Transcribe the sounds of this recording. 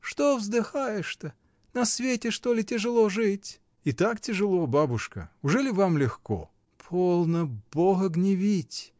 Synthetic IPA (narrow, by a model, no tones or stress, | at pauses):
ʂt̪ovzd̪ɨxajɪʂt̪ə | nɐsvʲetʲɪʂt̪olʲɪtʲɪʐɨlˠoʐɨtʲ | it̪aktʲɪʐɨlˠobabʊʂkə̰ʊʐɛlʲɪvamlʲɪxko̰ | pʰolˠnəb̥oɣəɡnʲɪvʲitʲ